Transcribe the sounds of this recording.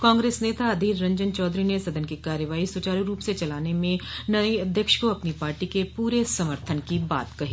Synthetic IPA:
kãːŋɡɾeːsneːt̪aɐd̪ʱiːɾɾɐ̃ɲd͡ʒənt͡ʃɔːd̪ɾinesɐd̪ənkikaːɾjəʋaːisʊt͡ʃaːɾiɾuːpset͡ʃɐlaːnemẽnɐeɐd̪ʱjəkʃkoɐpnipaːɾʈikepuːɾesɐməɾt̪ʰənkiba̰ːt̪kɐɦiː

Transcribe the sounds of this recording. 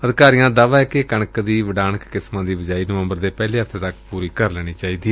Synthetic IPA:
əd̪kaːɾijãːd̪aːʋaːɛːkɪkəɳkd̪iːʋəɖaːnəkːɪsmãːd̪iːbəd͡ʒaːiːnəʋə̃mbəɾd̪eːpɛːliːɦəft̪ʰeːt̪əkpuːɾiːkəɾlɛːɽ̃iːt͡ʃaːiːd̪iːɛ

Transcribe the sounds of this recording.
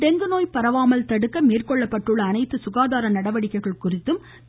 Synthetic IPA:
ɖ̪ɛŋɡ̪ɯnoːjpɐɾɐʋaːmɐlt̪ɐɽɯkːɐmeːrkɔɭːɐpːɐʈrɯɭːɐːnɐɪt̪ːɯsʊɣaːðaːɾɐnɐɽɐʋɐɽɪkːɐɪɣɐɭkʊrɪt̪ːɯm

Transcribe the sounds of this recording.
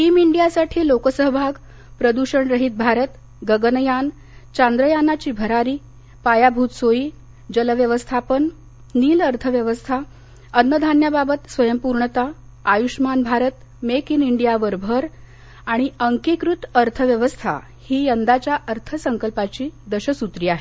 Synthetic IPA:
ʈiːmiɳɖijasaʈʰiːlokəsəɦəbʱaɡ | pɾəd̪uɕəɳɾəɦit̪̚bʱaɾət̪ | ɡəɡənəjan | t͡ɕãnd̪ɾəjanat͡ɕiːbʱəɾaɾiː | pajabʱuːt̪soiː | d͡ʑələʋjəʋəst̪ʰapənː | iːləɾt̪ʰəʋjəʋəst̪ʰa | ənːəd̪ʱanjababət̪sʋəjəmpuɾɳət̪aː | juɕmanbʱaɾət̪ | mekiniɳɖijaʋəɾbʱəɾ | aɽ̃iəŋkikɾut̪əɾt̪ʰəʋjəʋəst̪ʰa̰ | hiːjənd̪at͡ɕjaʔəɾt̪ʰəsəŋkəlpat͡ɕiːd̪əɕəsut̪ɾiːaɦe

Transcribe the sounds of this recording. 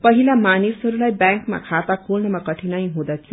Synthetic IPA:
pʌɦilamanisɦʌɾulajbjaŋkma̰kʰat̪akʰolnʌmʌkʌʈʰinʌjɦũd̪ʌt̪ʰijo

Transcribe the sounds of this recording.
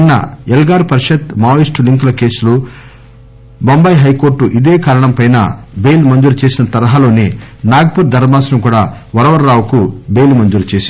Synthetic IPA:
nːɐ̰elɡaːɾpɐɾʃɐt̪maːjisʈuliŋklɐke̞ːsulu | bombɐjɦɐjkoːɾʈuʔid̪eːkaːɾɐɳɐmpɐjnɐ̰bejlmɐɲd͡ʒuɾt͡ʃeːsinɐt̪ɐɾɐɦaːlo̞ːninaːɡ̚puɾd̪ʱɐɾmaːsɾɐmkuːɽaː | ʋɐɾɐʋɐɾːaːwkubeːjlmɐɲd͡ʒuɾut͡ʃeːsi

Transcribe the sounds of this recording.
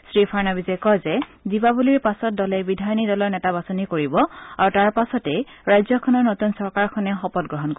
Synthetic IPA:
sɹipʰaɹnabizɛkɔzɛzibabuliɹpasɔt̚dɔlɛbidʱajɔnidɔlɔɹnɛtabasonikoɹibɔaɹutaɹpasɔtɛɹajzɔkʰɔnɔɹnotunsɔɹkaɹkʰɔnɛxɔpɔt̚ɡɹɔɦɔnko

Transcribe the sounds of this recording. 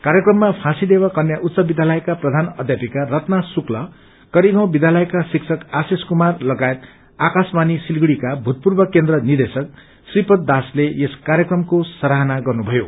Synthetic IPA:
kaɾjʌkrʌmːapʰãsid̪ebakʌnjaʔut̪sʌbid̪ʱjalʌjkaprʌd̪ʱanʌd̪ʱjapikarʌt̪nasuklʌ | kʌɾiɡãw̃bid̪ʱjalʌjkasiksʰʌkaseskumarlʌɡajet̪ | akasmanisilɡɽikabʱut̪̚purbʌkend̪rʌnird̪esʌk̚ | sripʌt̪̚d̪asleeskaɾjʌkrʌmkosʌɾaɦʌnaɡʌrnubʱʌjo

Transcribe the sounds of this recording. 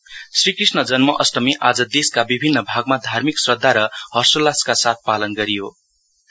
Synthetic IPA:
srikrisnʌd͡zʌnmʌʔʌsʈʌmiʔad͡zʌd̪eskabibʱinːʌbʱaɡmad̪ʱarmiksrʌd̪ʱːaɾʌhʌrsolaskasat̪̚ʰpalʌnɡʌɾijo

